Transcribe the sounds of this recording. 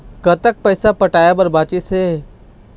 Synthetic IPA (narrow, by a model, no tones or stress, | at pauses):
kɐt̪ək̚pɛːsapɐʈaːjabɐɾbaːt͡ʃɪseː